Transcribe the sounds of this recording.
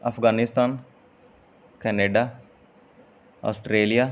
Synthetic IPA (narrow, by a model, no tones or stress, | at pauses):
ɐfɡaːnɪst̪aːn | kɛːneːɖaː | ɔ̰ːsʈɾeːlijaː